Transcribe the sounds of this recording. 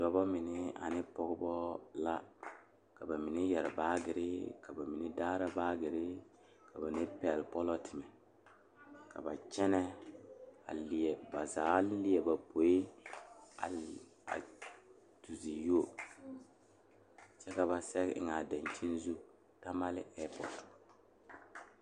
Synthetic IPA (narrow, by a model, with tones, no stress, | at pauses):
dɔ˨bɔ˦mɪ˨nɪ˦a̰˨nɪ˦pɔ˦ɡbɔ˦la˦ | ka˨ba˨mi˨nɛ˦jɛ˨ɾɪ˨baː˦ɡɪ˨ɾɪ˦ka˨ba˨mi˨nɛ˦daː˦ɾa˦baː˦ɡɪ˨ɾɪ˦ | ka˨ba˨nɪ˦pɛ˨lpɔ˦lɔ˦tʰɪ˨mɛ˨ | ka̰˨ba˨t͡ʃɛ˦nɛ˦ | a̰˨lɪ˨ɛ˨ba˨zaː˨˦lɪ˦ɛ˨ba˨pʰo˨e˦ | a˨ | a̰˨ | tu˨zi˨jo˦ | t͡ʃɛ˦ka˨βa˨sɛ˦ɪ̰˦ŋa˨da˨nt͡ʃi˦nzu˦ | ta˦ma˦lɪ˦ʔɛ˦pɔ˨t